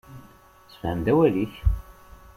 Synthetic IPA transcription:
sə̥fhəmd̪æwæliç

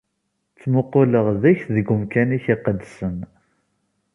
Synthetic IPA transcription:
t͡sːmʊqːʊləʁðæçðəɡʊmkæniçiqəd̪sən

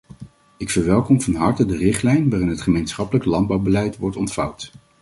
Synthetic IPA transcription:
ɪkfəɹʋɛlˠkɔmvɑnɦɑɹtədərɪχtlɛjnʋaːrɪnɦətχəmejnsχɑpələklɑnd̚bɑwbəlɛjtʋɔɹtɔntfɑwt

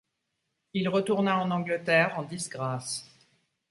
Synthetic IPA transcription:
ilʁət̪uʁnaɑ̃nɑ̃ɡlət̪ɛʁɑ̃d̪isɡʁas

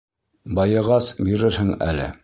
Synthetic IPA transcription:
bɑjɤ̆ʁɑsbiɾɘɾhɘŋæ̰lɘ̰

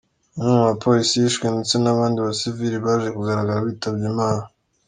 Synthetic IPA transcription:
umŋimapʰo̞ːɾisijiʃkwenit͡senaβaːndiβasiviɾiβaːʒʒekuɡaɾaɡaɾaβiːtabɟimaːna

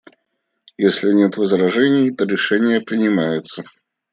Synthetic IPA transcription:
jesʲlʲɪnʲet̪vɨzɾaʐɛnʲɪjt̪ɔɾʲɪʂɛnʲɪjəpɾʲɪnʲɪmajɪt̪sːə

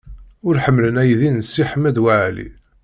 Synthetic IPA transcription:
ʊɾħəmːlənæjðinsːiħəmæd̪waʕlḭ

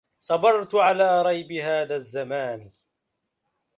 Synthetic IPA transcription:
sˤɑbɑɾˤt̪ʊʕalaːɾˤɑjbɪɦaːðaːzːamaːn

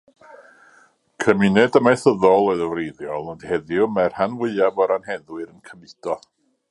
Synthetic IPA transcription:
kʰəmɪnɛdəmaθəðɔlˠɔðəwrejðjɔlˠəndhɛðjɪʊwmɛr̥hanwɨɨavɔɾanhɛðwɨɾənkʰəmɨdɔ

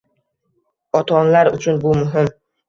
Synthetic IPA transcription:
ɒt̪ʰɒnlaɾʊt͡ʃʰʊnbʊmʊɦɪm

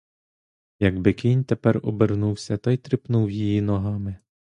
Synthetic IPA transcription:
jɐɡbɪkʲinʲt̪epɛrɔbernuwsʲɐt̪ɑjt̪ɾɪpnuwjijinɔɦɑmɪ

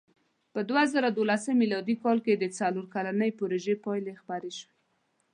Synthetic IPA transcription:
pəd̪wazaɾad̪olasəmːilɑd̪ikɑlked̪ət͡saloɾkalanəjpoɾoʒepɑjlexpaɾeʃwe

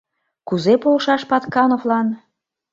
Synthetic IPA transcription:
kuzepolʃɑʃpɑt̪kɑnovlɑn

